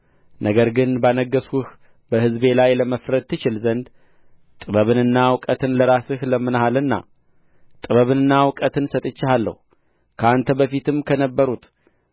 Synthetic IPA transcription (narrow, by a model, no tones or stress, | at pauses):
nʔəɡəɾɡɨnbanəɡəsuh | bəhɨzbe̞lajləməfɾət̪t̪ʰːɨt͡ʃɪlzənd̪ | t̪ʼɨβəβɨnɨnːawkʼət̪ʰɨnləɾasɨhləmːɨnhalɨnːa̰ | t̪ʼɨβəβɨnɨnːawkʼət̪ʰɨnsət̪ʼɨt͡ʃːɪhalːə̰hu | kʰəant̪ʰəbəfit̪ɨmkʰənəbːəɾut̪